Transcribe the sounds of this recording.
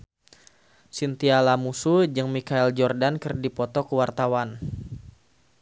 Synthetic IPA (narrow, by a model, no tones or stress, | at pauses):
sint̪ialamusud͡ʒɨŋmikaɛld͡ʒɔrdankɨrdipɔt̪ɔkəwart̪awan